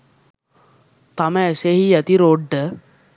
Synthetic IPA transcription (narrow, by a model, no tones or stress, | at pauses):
t̪aməseɦijɛt̪iɾoɖːə